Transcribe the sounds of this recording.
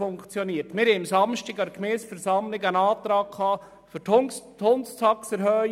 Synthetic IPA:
ʊŋkt͡sjɔniːəɾtmɪɾhɛɪmsɑmʃtiɡɑkmɛːsfɛɾsɑmlɪɡænɑːt̪ɾɑːkʰχɑː | føɾttʰonst͡sɑksɛɾɦœː

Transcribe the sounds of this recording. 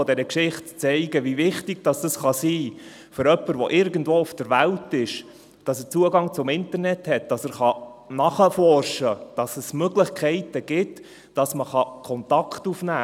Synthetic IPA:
ɔdɛɾəkʃɪχtt͡sɛɪɡəʋivɪχtɪɡ̥d̥ɑsd̥ɑsχɑsiː | føɾœpːəɾʋɔʔɪɾɡən̩dvoːʊfd̥əɾʋæltɪʃ | d̥ɑsət͡suəɡɑŋt͡sʊmɪntəɾnɛthɛt̚d̥ɑsəɾχɑnɑχəfɔrʃəd̥ɑsəsmøɡlɪχkʰχɛɪtəɡ̥ɪt | d̥ɑsməχɑkʰɔnt̪ɑkχtufnæː

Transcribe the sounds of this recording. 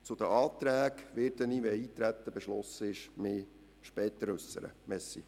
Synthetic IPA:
t͡sʊd̪əɑːt̪ɾæːɡʋɪːɾd̪əniːʋɛiːt̪ɾæt̪ːəb̥ɛʃlɔsəɪʃmɪː | ʃpɛːt̪əɾʉsːə̰ɾə̰mɛsːḭ

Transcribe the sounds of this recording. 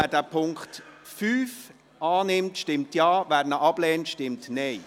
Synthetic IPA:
ædæːpʰʊŋkχtfyːf | ʔɑːnɪmtʃtɪmtjaːʋæːɾnəʔɑb̥lɛːntʃtɪmtnɛɪ

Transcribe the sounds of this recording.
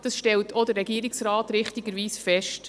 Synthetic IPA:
d̥ɑsʃtɛltʰod̪əɾːɛɡiːɾɪksɾɑːtɾɪχtiɡəɾʋiːsfɛʃt

